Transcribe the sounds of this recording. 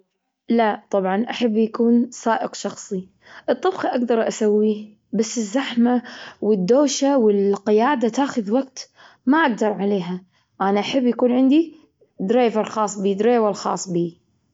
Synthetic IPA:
lat̪ˤɑbʕɑnʔaħabːjakuːnsaːʔɪqʃɑxsˤi | ʔɨt̪ˤːɨbqiʔaɡd̪ɑɾˤʔasawːi | basːɪzːaħmawɪd̪ːoːʃawɪlqɪjaːd̪at̪aːxʊðwaɡt̪ | maʔaɡ̚d̪ɑɾˤʕaleːɦa | ʔanaʔaħabːjakuːnʕɪnd̪i | d̪ɾaːjvɑɾˤxɑːsˤbiːd̪ɾaːjvɑɾˤxɑ̰ːsˤbiː

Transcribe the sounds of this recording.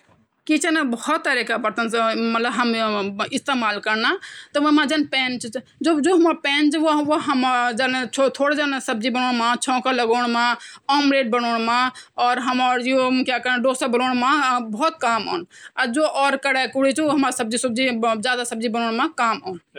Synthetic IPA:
kit͡ʃənbəhɔt̪ːəɾikabɐɾt̪ənsmət̪ləbɦɐmɪst̪eːmaːlkəɾnat̪ɔʋomãd͡ʒənpɛ̃ːnt͡ʃ | d͡ʒod͡ʒoɦɐmaɾpɛ̃ːnt͡ʃoʋoɦəmd͡ʒənʰot̪ʰoːɽd͡ʒansɐb̚d͡ʒibənoːɽmãt͡ʃʰɔ̃ːkaləɡoːɽmãɔːmɾeːɖ̚bənoːɽmãɔːɾɦəmaːɾjokjakəɾnaɖoːsəbənoːɽ̃mãbɔːt̪̚kaːmo̰ːnad͡ʒoʔɔːɾkəɽakuɽit͡ʃoɦɐmaɾsəb̚d͡ʒisɐb̚d͡ʒid͡ʒjaːd̪asɐb̚d͡ʒibəñoːɳ̃mãkaːmoːn

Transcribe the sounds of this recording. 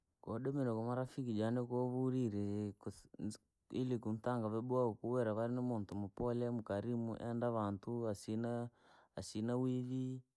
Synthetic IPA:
koɗemenokomaɾafikid͡ʒanekoβuɾiɾek | ḭlikuntaŋɡaβebwaokuweɾaβaɾinemontomopolemukaɾimṵʔɛ̰ndaβantuasina | asinawiβi

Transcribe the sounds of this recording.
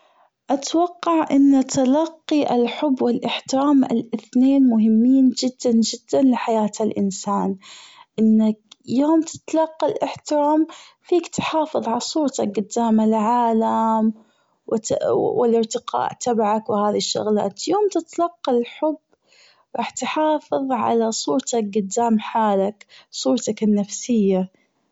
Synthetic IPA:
ʔat̪wɑqːɑʕʔɪnːat̪alɑqːiʔalħʊbːwɪlʔɪħt̪ɪɾaːmʔɪ̰lʔɪθneːnmʊɦɪmːiːnd͡ʒɪd̪ːand͡ʒɪd̪ːanlɪħajaːt̪alʔɪnsaːnʔɪnːakjoːmt̪ʰɪ̥t̪alɑqːɑlʔɪħt̪ɪɾaːm | fiːkt̪ħɑːfɨðˤʕɑɾsˤuːɾt̪ak̚ɡʊd̪ːaːmalʕaːlam | w̪wɪlɪɾt̪ɪqɑ̰ːʔt̪ʰabaʕakwɪhaːðiʃːʊ̰ɣla̰ːt̪joːmt̪ɪt̪alɑqːɑlħʊbː | ɾˤɑːħt̪ħɑːfɨðˤʕa̰lasˤuːɾt̪ak̚ɡʊd̪ːaːmħaːlaksˤuːɾˤt̪akɪnːafsɪjːa

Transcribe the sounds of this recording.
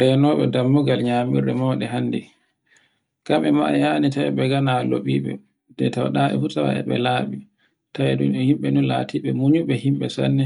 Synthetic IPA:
ɾɛnɔːɓɛdamːuɡalɲaːmiɾɗɛmɔːɗɛɦanːdi | kamʔɛma̰ʔa̰janitaɛ̰ɓɛɡanalo̰ɓiːɓɛ̰ | dɛtawɗaʔɛ̰futaɾa̰ʔɛ̰ɓɛ̰laɓi | tajɛɗunɛhimɓɛnunlatʰiɓɛmuɲuɓɛhimɓɛsa̰nːɛ

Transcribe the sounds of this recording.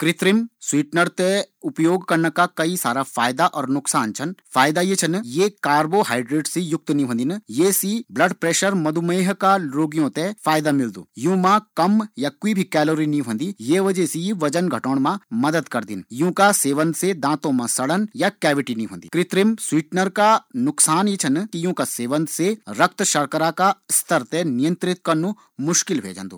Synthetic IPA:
kɾɪt̪ɾɪmswiːʈnəɾt̪eʊpjoːɡkɐɾnakakɐisaːɾafʰaːjd̪aʔɔːɾnʊksaːnt͡ʃʰɐnfʰaːjd̪ajet͡ʃʰɐnjekaːɾboɦaːɪɖɾeːɖsejʊk̚t̪nĩɦõːnd̪injesiblɐɖpɾeːʃəɾmɐd̪ʱumeːɦkaɾoːɡijõt̪efʰaːjd̪amɪld̪ṵːjũːmãkɐmjakuibʱikɛːloːɾinĩɦõːnd̪ijeːʋɐd͡ʒesiʋɐd͡ʒənɡʱɐʈoːɳ̃mãmɐd̪əd̪kɐɾd̪ḭnjũːkaseːʋə̃nt̪sed̪ãːt̪õmãsɐɽənjakɛːʋɪʈinĩɦõ̰ːnd̪ḭːkɾɪt̪ɾimswiːʈnəɾkanʊksaːnjit͡ʃʰɐnkijũːkaseːʋə̃nt̪seɾɐk̚t̪ʃɐɾkəɾakast̪ʰəɾt̪ɛnijə̃nt̪ɾɪt̪̚kɐnũ | mʊʃkɪlbʱḛːd͡ʒã̰ːnd̪ṵː

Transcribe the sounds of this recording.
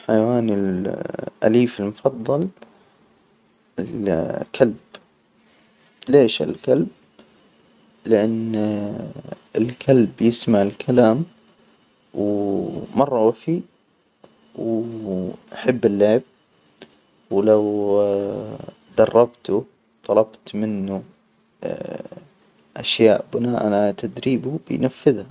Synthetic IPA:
ħajawaːnɪl | ʔa̰liːfɪlmʊfɑðˤːɑl | ɪlkʰalb̥ | leːʃɪ̰lkalb̚ | lɪʔan | ɪlkʰalbjɪsmaʕɪlkʰalaːm | wmɑrˤːɑwafiː | w | ʔaħɪbːɪlːaʕɪb̚ | wlaw | d̪ɑrˤːɑbt̪u | t̪ˤɑlɑbt̪mɪnːu | ʔaʃjaːʔbʊnaːʔa̰nat̪ʰad̪ɾiːbubɪ̰jnafːɪðha

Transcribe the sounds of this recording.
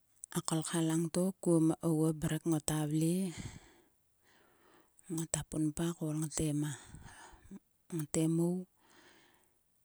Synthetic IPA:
akolkʰalaŋtokuomaʔowabaɾakŋotaβli | ŋotapunpakolŋatema | ŋatemow

